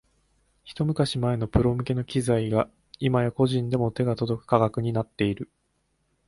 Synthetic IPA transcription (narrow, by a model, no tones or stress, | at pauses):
çi̥t̪o̞mɯ̟kaɕimae̞no̞pɯ̟ɾo̞mɯ̟ke̞no̞kʲizaiɡa | imajako̞ʑĩnd̪e̞mo̞t̪e̞ɡat̪o̞d̪o̞kɯ̟̥kaɡakɯ̟ɲ̟inat̪ːe̞iɾɯ̟